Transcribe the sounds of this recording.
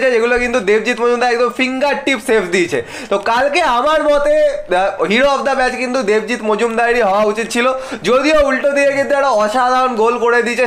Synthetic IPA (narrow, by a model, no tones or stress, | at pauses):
t͡ɕʰeeɡulokint̪ud̪eb̚d͡ʑit̪mod͡ʑumd̪aɛk̚d̪omfiŋɡaɾʈːipsepʰd̪iet͡ɕʰḛ | t̪okalkeamaɾmɔt̪eɦiɾoɔbd̪abɛt͡ɕkint̪ud̪eb̚d͡ʑit̪mod͡ʑumd̪ajɾiɦɔoaut͡ɕit̪̚t͡ɕʰilod͡ʑod̪ioulʈod̪ieɡid̪aɽaɔʃad̪ʱaɾonɡolkoɽed̪it͡ɕʰe